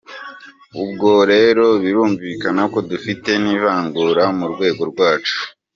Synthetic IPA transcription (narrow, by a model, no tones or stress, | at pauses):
ub̚ɡo̞ɾe̞ːɾo̞βiɾuːɱviːkanako̞dufite̞niβaːŋɡuɾamuɾɡwe̞ːɡo̞ɾɡwaːt͡ʃu̥